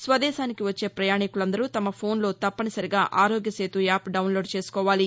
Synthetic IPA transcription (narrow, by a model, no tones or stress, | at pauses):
sʋɐd̪ɛːʃaːnikiʋɐt͡ʃːe̞ːpɾɐjaːɳikulɐnd̪ɐɾut̪ɐmɐpʰo̞ːnlo̞ːt̪ɐpːɐnɐsɐɾiɡaːʔaːɾoːɡjɐse̞ːt̪uaːpɖɐwnlo̞ːɖt͡ʃe̞ːsu̥kɔːʋaːli